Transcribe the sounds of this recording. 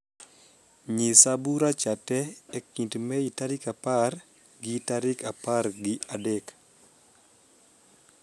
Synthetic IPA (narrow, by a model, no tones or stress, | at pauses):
ɲisabuɾat͡ʃatɛːkintmɛitaɾɪkapar | ɡɪtaɾɪkapaɾɡɪadɛk